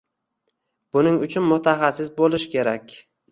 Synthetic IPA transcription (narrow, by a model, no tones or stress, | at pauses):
b̥ʊnɪŋʊt͡ʃʰʊnmʊt̪ʰaχasɪsbolˠɪʃkʲe̞ɾakʲ